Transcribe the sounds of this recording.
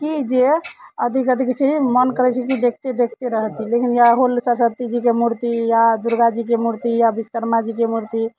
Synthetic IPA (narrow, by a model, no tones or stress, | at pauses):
kid͡ʒeəd̪ʱikəd̪ʱikt͡ʃʰimənkəɾɛt͡ʃʰɛkid̪ekʰt̪ed̪ekʰt̪eɾəɦt̪ilekinjaɦolsəɾsət̪ːid͡ʒik̬emuɾt̪ijad̪uɾɡad͡ʒik̬emuɾt̪ijabiskəɾmad͡ʒikemuɾt̪i